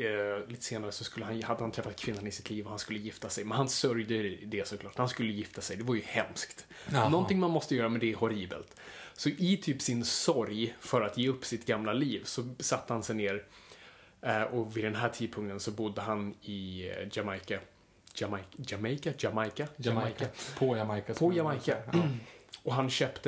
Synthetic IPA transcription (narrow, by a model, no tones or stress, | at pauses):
liːt̪ə̥seːnaɾəsɔskɵlːəɦanhad̪ːəhant̪ʰɾɛfːat̪̚kʰvɪnːanɪsɪ̥t̪ʰliːvɔhanskɵlːəjɪft̪asɛjmɛnhansœɾjd̪əd̪ɛsɔkʰlɑːʈhanskɵlːəjɪft̪ʰasɛjd̪ɛvaɾjɵhɛmskt̪ | nɔnt̪ɪŋmanmɔst̪əjœːɾamɛnd̪ɛhɔɾiːbə̰lt̪sɔʔɪt̪ʰyːpsɪnsɔɾjfœɾat̪jeːɵpːsɪt̪ɡamlaliːvsɔsat̪ːəhansɛjneːɾ | ʔɔvɪd̪ɛnɦæːʈʰiːd̪̚pʰɵŋkt̪ənsɔbʊd̪ːəɦanɪd͡ʒamajka | d͡ʒamɛjkad͡ʒamajkaakapʰɔjaakpʰɔjamajka | ɔɦanɕœːpt̪ə